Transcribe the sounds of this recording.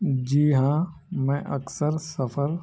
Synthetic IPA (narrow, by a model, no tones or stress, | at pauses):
d͡ʒiːɦãːmɛ̃ʔɐksəɾsɐfʰəɾ